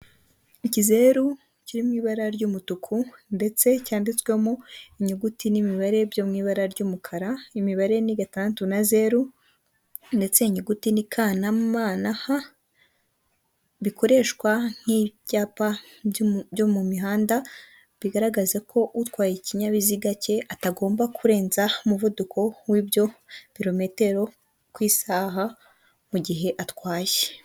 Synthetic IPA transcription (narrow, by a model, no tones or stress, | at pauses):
icize̞ɾu | ciɾimŋiːβaɾaɾɟuːmutukʰunde̞t͡se̞caːndit͡swe̞mo̞iɲuɡutinimiβaɾe̞bjoːmŋiːβaɾaɾɟuːmukʰaɾaimiβaɾe̞niɡatantunaze̞ɾu | nde̞t͡se̞iɲuɡutinikʰanamaːnaha | βiko̞ɾe̞ːʃkwaŋ̥hiβɟaːpa | jo̞mumiɦaːnda | βiɡaɾaɡazekʰo̞ʔutkwaːjiciɲaβiziɡace̞ataɡo̞ːmbakuɾe̞ːnzaumuvudukʰo̞wiːβjo̞b̥iɾo̞me̞te̞ɾo̞ | kwiːsaːɦa | muɟiɦe̞ʔatkwaːje̥